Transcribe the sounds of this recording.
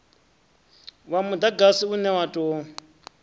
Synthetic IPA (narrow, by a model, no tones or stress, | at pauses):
wamud̪aɡasiunɛwatʼo